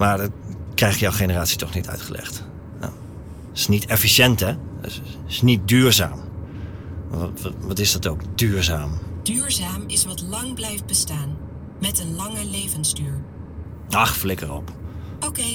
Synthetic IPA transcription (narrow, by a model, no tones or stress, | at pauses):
maɹdɔkrɛjχtjɔwχenəraːtsitʰɔχnitʰœ̰ɥtχəlʔɛ̰χt | a̰ | ɪ̥snitʰɛfisjɛntɛ | ɪsnit̚dyːɹza̰ːm | ʋɑtɪsdɔtowkdyːɹzaːmd̥yːɹzaːmɪsʋɑtlɑŋblɛjft̚bəstaːn | mɛtənlɑŋəlejvənzdyːɹ | aχflɪkərɔpokej